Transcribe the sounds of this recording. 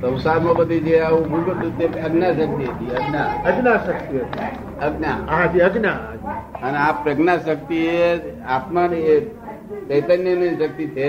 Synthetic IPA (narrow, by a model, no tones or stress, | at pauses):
sə̃wsaɾmõkəd̪id͡ʒeaũbʱuɡot̪ut̪eəɡnaʃək̚t̪iɦət̪iəɡnaəɡnaʃək̚t̪iɦoa | əɡnaɦãt̪iəɡnaəɡnaəneapɾəɡnaʃək̚t̪iɦeapmane | t͡ʃəjt̪ənjənə̃sək̚t̪it̪ʰe